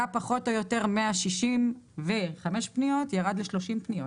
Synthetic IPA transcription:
apaχo̞to̞jo̞te̞ʁmeaʃiʃimveχameʃpnijo̞tjaʁad̪leʃlo̞ʃimpnijo

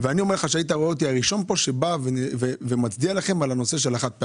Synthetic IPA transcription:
veanio̞meleχaʃeait̪̬aʁoeot̪̬iaʁiʃo̞npo̞ʃe̞bavevevemat͡sd̪ialaχe̞malano̞se̞ʃe̞laχat̪̚pe

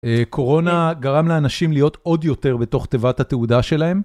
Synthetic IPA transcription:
ekʰo̞ʁo̞naɡaʁamleanaʃimlijo̞t̪o̞d̪jo̞t̪e̞ʁbe̞to̞χt̪evathat̪eudaʃe̞lae̞m

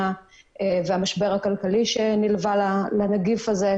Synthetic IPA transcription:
a | veamaʃbe̞ʁakalkaliʃenilvalalanaɡifaze

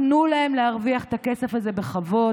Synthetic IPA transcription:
nulahe̞mlehaʁviaχe̥t̪akesefhaze̞be̞χavo̞

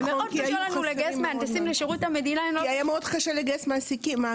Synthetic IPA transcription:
meokiajanuleɡasmeantasimleʃeʁuthame̞d̪inaenloiajameodχaʃeleɡaesmaːsikima

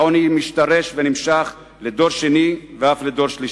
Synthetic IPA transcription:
onimiʃt̪aʁeʃvenimʃaχ | led̪o̞ʁʃeniveafled̪o̞ʁʃliʃ

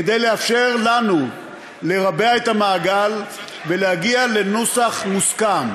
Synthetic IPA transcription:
ed̪ejle̞afʃe̞ʁlanu | le̞ʁabeaet̪amaːɡal | ve̞lehaɡiale̞nusaχmuskam

